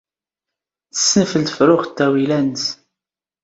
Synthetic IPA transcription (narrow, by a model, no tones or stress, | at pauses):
θə̥sːənfəlt̪fɾʊʁt̪ːæwilæns